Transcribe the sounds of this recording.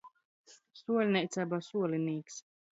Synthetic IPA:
suɔlʲnʲɛjt̪sabasuɔlʲiniːks

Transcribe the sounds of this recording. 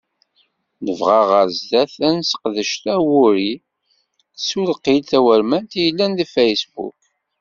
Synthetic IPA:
ləvʁɑʁəɾzd̪æθænsə̥qðəʃt̪æwuɾi | θsulqːilθæwəɾmænt̪jəlːænðfæjsbṵk

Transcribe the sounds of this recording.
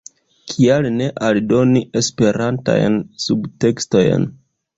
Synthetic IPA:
kʰialne̞ʔaldo̞niʔe̞spe̞ɾanta̰jnsubte̞ksto̞jn

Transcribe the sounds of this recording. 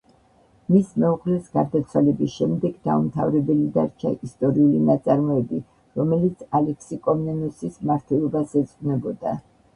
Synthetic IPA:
mismɛuʁlɛsɡaɾd̪at̪sʰwalɛbisʃɛmd̪ɛɡd̪a̰umt̪ʰavɾɛbɛlid̪aɾt͡ʃʰa̰ʔist̪ʼɔɾiulinat̪sʼaɾmɔɛbi | ɾɔmɛlit̪sʰalɛkʰsikʼɔmnɛnusismaɾt̪ʰwɛlˠɔbasɛt̪sʼqʼnɛbɔd̪a

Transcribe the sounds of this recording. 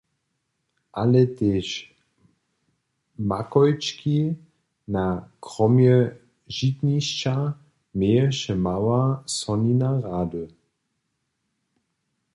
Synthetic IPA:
ʔalɛt̪eːʃ | makɔjt͡ʃkʰi | nakʁɔmjɛ | ʒit̪niʃt͡ʃa | mejɛʃɛmawasɔninaʁaːdə

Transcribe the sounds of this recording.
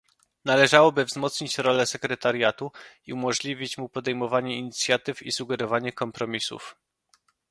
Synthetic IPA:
nalɛʐawɔbɘvzmɔt̪sɲit͡ɕɾɔlɛsɛkɾɛt̪aɾjat̪uiumɔʐlʲivʲit͡ɕmupɔd̪ɛjmɔvaɲɛiɲit̪sʲjat̪ɘfisuɡɛɾɔvaɲɛkɔmpɾɔmʲisṵf

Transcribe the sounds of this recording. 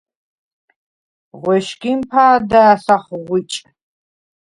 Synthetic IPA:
ʁʷɔʃɡʲimpʰaːdɐsɐχʁʷit͡ʃʼ

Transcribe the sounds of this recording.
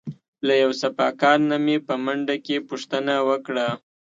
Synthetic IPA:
lajawsafɑkɑɾnamepəmaɳɖakepuʂt̪ənawəkɽa

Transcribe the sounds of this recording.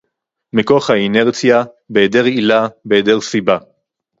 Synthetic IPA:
miko̞χhaineʁt͡sja | beedeʁilabeedeʁsiba

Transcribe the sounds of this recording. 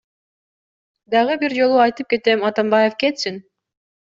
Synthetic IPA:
d̪ɑʁɯbiɾd͡ʒo̞lˠuɑjt̪ɯp̚ke̞t̪e̞mɑt̪ɑmbɑje̞fke̞t̪sin

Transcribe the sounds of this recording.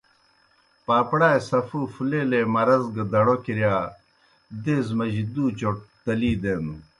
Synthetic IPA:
paːpɽaːjsɐfuːfuleːlemɐɾɐzɡɐd̪ɐɽokiɾjaː | d̪eːzmɐʑid̪uːt͡ɕoʈ̚t̪ɐliːd̪eːnu

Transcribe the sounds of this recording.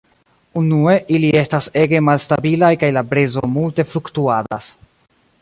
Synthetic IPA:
unue̞ʔilie̞stase̞ɡe̞malstabilajkajlabɾezomulte̞fluktuada̰s

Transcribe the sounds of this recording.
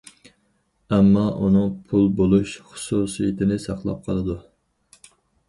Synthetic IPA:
ɛmːɑʔunɨŋpʰulˠbolˠuʃχʊ̥susijit̪ʰɪnɪsɑχlˠɑ̰p̚qʰɑlˠɨd̪u

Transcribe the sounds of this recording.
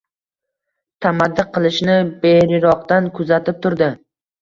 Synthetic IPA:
t̪ʰamad̪ːɪqʰɨlˠɪʃnɪbeɾɪɾɒqt̪ankʰʊzat̪ʰɪp̚t̪ʰʊɾd̪ɪ

